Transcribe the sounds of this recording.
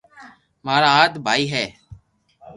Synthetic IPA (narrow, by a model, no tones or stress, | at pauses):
maːɾaːaːd̪bʱaːiːɦɛː